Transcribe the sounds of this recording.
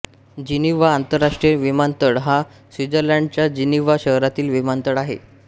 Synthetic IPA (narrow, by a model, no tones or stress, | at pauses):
d͡ʑiniʋaːnt̪əɾːaʂʈɾijeʋimant̪əɽɦa | sʋid͡zəɾlaɳɖt͡ɕjad͡ʑiniʋaɕəɦɾat̪iːlʋimant̪əɽaɦḛ